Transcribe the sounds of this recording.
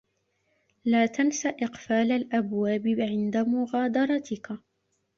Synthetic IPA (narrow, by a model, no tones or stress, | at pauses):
laːt̪ansaʔɪqfaːlalʔabwaːbɪʕɪnd̪amʊɣaːd̪ɑɾˤɑt̪ʰɪka